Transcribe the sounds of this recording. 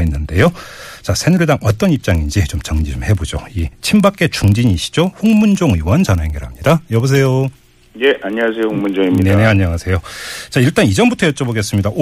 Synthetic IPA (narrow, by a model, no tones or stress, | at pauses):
inːɯnde̞jot͡ɕasʰenuɭdaŋʌt͈ʌnip̚t͡ɕ͈aŋind͡ʑit͡ɕomt͡ɕʌŋd͡ʑid͡ʑomhe̞bod͡ʑo̰it͡ɕʰimbak͈e̞t͡ɕuŋd͡ʑiɲiɕ͈i̥d͡ʑoɸoŋmund͡ʑoŋiwʌnd͡ʑʌnaeŋɡeɾamɲidajʌbos̬ʰe̞jo | jeʔaɲiasʰejohŋmund͡ʑoŋiineneaɲːʌŋasʰe̞jot͡ɕaiɭt͈anid͡ʑʌnbutʰʌjʌt͡ɕ͈ʌboɡe̞s͈ɯmɲidaʔo